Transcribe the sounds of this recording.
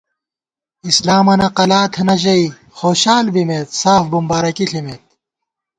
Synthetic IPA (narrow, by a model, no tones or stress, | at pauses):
islaːmɐnɐqɐlaːt̪ʰɐnɐʑɐi | xoːɕaːlbimet̪saːfbumbaːɾɐkiɬimet̪̚